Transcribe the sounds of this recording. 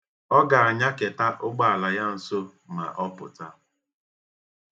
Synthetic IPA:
ɔ˦ɡa˨a˨ɲa˦ke˨ta˦ʔʊ˦ɡ͡ba˦˨a˨la˨ja˦n̩˨so˦ | ma̰˨ʔɔ˦pʊ̰˨ta̰˦

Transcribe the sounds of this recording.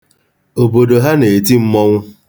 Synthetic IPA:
o˨bo˨do˨ɦa˦ne˨ti˦m̩˦mɔ˦ŋʷʊ˦

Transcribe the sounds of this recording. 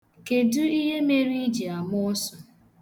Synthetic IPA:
ke˨dʊ˦i˦ɦe˦me˦ɾi˦d͡ʒi˨a˨mɔ˦sɔ˨

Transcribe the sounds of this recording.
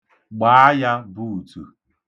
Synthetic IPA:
ɡ͡ba˨˦a˦ja˦bu˦˨tṵ˨

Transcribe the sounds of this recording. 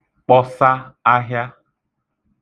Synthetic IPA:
k͡pɔ˦sa˦a˦ɦja˦

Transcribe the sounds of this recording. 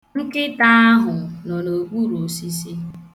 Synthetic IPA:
ŋ̩˦kɪ˦ta˦a˦ɦʊ˨nɔ˨no˨ɡ͡bu˦ɾo˨si˦si˦

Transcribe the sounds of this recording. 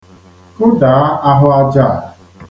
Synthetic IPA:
kʊ˦da˨˦a˦ɦʊ˦a˦d͡ʒa˦˨

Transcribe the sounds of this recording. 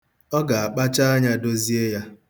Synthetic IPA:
ɔ˦ɡa˨a˨k͡pa˦t͡ʃa˦a˦ɲa˦do˦zi˦e˦ja˦

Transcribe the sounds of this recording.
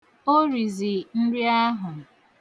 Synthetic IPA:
o˦ɾi˨zi˨n̩˦ɾɪ˦a˦ɦʊ˨

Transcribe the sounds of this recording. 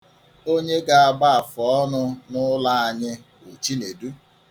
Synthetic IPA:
o˦ɲe˦ɡa˦a˨ɡ͡ba˦a˨fɔ˨ɔ˦nʊ˦nʊ˦la˦a˨ɲɪ˦ | o˨t͡ʃi˦ne˨du˦

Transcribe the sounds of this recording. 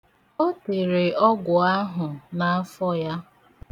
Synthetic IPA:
o˦te˨ɾe˨ɔ˦ɡʷʊ˨a˦ɦʊ˨na˨˦fɔ˦ja˦

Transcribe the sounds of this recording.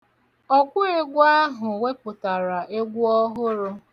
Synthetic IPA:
ɔ˦kʷʊ˦e˦ɡʷʊ˦a˦ɦʊ˨we˦k͡pʊ˨ta˨ɾa˨ʔe˦ɡʷu˦ɔ˦ɦʊ˦ɾʊ˦

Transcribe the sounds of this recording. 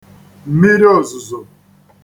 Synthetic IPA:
m̩˨mi˦ɾi˦ɔ˦˨zʊ˨zʊ˨

